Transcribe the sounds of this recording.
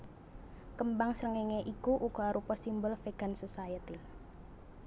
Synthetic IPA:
kəmbaŋsɾəŋeŋeʔikuʔuɡ̥ɔ̤aɾupɔsimbəlfeɡ̥ansəsajət̪i

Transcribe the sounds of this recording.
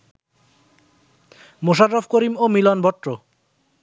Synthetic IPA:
moʃaɾːofʰkoɾimomilɔnbɔʈːɾo

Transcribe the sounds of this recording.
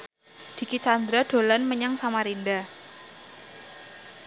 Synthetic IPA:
d̪̥i̤kit͡ʃand̪ɾaɖ̪̥o̤lanməɲaŋsamaɾinda

